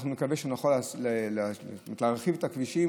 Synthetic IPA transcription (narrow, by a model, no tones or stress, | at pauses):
χnumekaveʃenaχolslelmt̪laʁχivet̪akviʃi